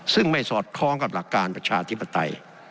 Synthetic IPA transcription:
sɯ˥˩ŋma˥˩jsɔː˨˩t̪̚kʰɔː˦˥ŋka˨˩p̚la˨˩kːaː˧npɾa˧t͡ɕʰaː˧t̪ʰi˦˥pːa˧t̪a̰˧j

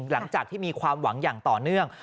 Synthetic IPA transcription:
la˩˦ŋt͡ɕaː˨˩k̪̚ʰiː˥˩miː˧kʰwaː˧mwa˩˦ŋjaː˨˩ŋt̪ɔː˨˩nɯ˥˩əŋ

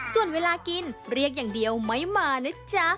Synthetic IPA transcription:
su˨˩ənweː˧laː˧ki˧nɾi˥˩ək̚jaː˨˩ŋdi˧əwma˦˥jmaː˧nɯ˦˥t͡ɕa˦˥

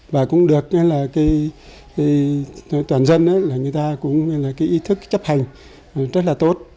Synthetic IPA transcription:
vaː˨˩kʊ˧˥ŋ͡mɗɨ˨˩ək̚ŋɛ˧laː˨˩kaː˨˦j | kaː˨˦˨t̪waː˨˩nzə˧nʔaː˨˦laː˨˩ŋɨ˨˩əjt̪aː˧kʊ̰˧˥ŋ͡mŋɛ˧laː˨˩kaː˨˦jʔi˨˦t̪ʰɨ˦˥k̚t͡ɕə˦˥p̚ha˨˩jŋ̟˨˩ | zə˦˥t̚laː˨˩t̪o˦˥t̚

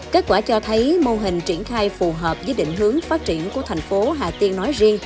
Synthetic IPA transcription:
ke˦˥t̚kwaː˧˩t͡ɕɔ˧t̪ʰə˨˦jmo˧ɦï˨˩ŋ̟t͡ɕi˧˩ənxaː˧jfu˨˩ɦəː˨˩p̚zəː˧˦jɗḭ̈˧˨ŋ̟ɦɨ˨˦əŋfaː˦˥t̚t͡ɕḭ˧˩ənku˧˩ət̪ʰɛ˨˩jŋ̟fo˨˦ɦaː˨˩t̪i˧ənːɔ˨˦jzi˧əŋ

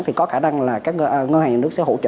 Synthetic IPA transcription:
t̪i˨˩kɔ˨˦xaː˧˩na˧ŋlaː˨˩kaː˦˥k̚ə˧ʔŋə˧haː˨˩ɲaː˨˩nɨ˦˥ək̚sɛ̰˧˥ho̰˧˥t͡ɕə̰ː˧˨

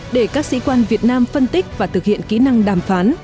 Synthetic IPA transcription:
ɗe˧˩kaː˦˥k̚sḭ˧˥kwaː˧nvi˨˩ət̚naː˧mfə˧nt̪i˦˥k̚vaː˨˩t̪ʰɨ˨˩k̚hḭ˧˨ənki˨˦na˧ŋɗaː˧˩mfaː˨˦n

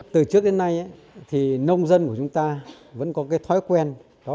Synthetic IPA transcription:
t̪ɨ˨˩t͡ɕɨ˦˥k̚ɗe˨˦nːa˧jʔa˨˦ | t̪ʰi˨˩nə˧wŋ͡mzə˧nku˧˩ət͡ɕʊ˨˦ŋ͡mt̪aː˧ | və̰˧˥nkɔ˨˦kaː˨˦jt̪ʰɔ˨˦jkwɛ˧n | ɗɔ˨˦

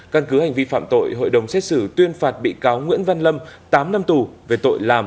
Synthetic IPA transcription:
ka˧nkɨ˨˦ha˨˩jŋ̟vi˧fa̰ː˧˨mt̪o̰˧˨jɦo̰˧˨jɗə˨˩wŋ͡msɛ˦˥t̚sɨ˧˩t̪wi˧ənfaː˨˩t̚ɓḭ˧˨kaː˨˦wŋwḭ˧˥ənva˧nlə˧mt̪aː˨˦mna˧mt̪u˨˩ve˨˩t̪o̰˧˨jlaː˨˩m

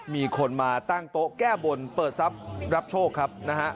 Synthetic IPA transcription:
miː˧kʰo˧nmaː˧t̪a˥˩ŋt̪o˦˥kɛː˥˩bo˧npɤː˨˩t̪̚sa˦˥p̚ɾa˦˥p̚t͡ɕʰoː˥˩kʰːa˦˥p̚na˦˥ɦʰa˦˥ʔ

